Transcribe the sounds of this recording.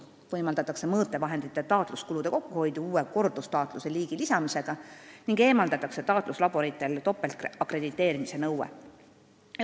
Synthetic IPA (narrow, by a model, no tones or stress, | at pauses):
vɤjmɑld̪ɑt̪ːˑɑkse̞mɤːt̪ːˑe̞vɑɦe̞nd̪̥it̪ˑːet̪ɑːt̪ˑluskulud̪e̞ko̞kːuho̞jd̪uuːe̞ko̞rd̪̥ust̪ɑːt̪ˑluse̞liːɡ̥ilisɑmise̞ɡ̥ɑniŋɡ̥e̞ːmɑld̪ɑt̪ːˑɑkse̞t̪ɑːt̪ˑluslɑb̥o̞ɾit̪ːˑe̞lt̪o̞pːe̞lt̪ɑkɾe̞d̪it̪ːˑe̞ːɾimise̞nɤwḛ